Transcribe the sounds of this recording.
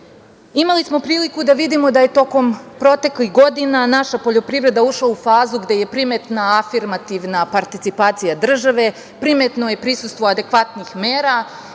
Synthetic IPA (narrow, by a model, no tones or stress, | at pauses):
imalismo̞pɾiːlikud̪aʋid̪imo̞d̪aje̞t̪o̞ko̞mpɾo̞t̪e̞klixɡo̞d̪inanaʃapo̞ʎo̞pɾiʋɾe̞d̪auʃlaufaːzuɡd̪e̞je̞pɾimet̪naːfiɾmat̪iʋnapaɾt̪it̪sipaːt̪sijad̪r̩ʒaʋe̞ | pɾime̞t̪no̞je̞pɾisust̪ʋo̞ad̪e̞kʋat̪nixmeːɾa